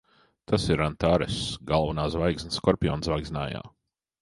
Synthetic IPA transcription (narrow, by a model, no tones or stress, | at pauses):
t̪ʰasiɾant̪aɾɛsɡalˠvanaːsvajɡznskɔɾpʲijɔ̰ːnsvajɡzna̰ːja̰ː